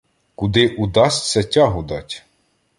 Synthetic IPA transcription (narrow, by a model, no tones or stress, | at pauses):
kud̪ɪʔud̪ɑsʲtʲt͡sʲɐtʲɑɦʊd̪ɑtʲ